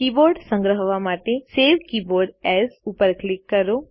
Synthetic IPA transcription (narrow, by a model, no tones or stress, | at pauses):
kiːboːɾɖsə̃ŋɡɾəɦəʋamaːʈeseːʋkiːboːɾɖɛsupəɾklɪkːɐɾo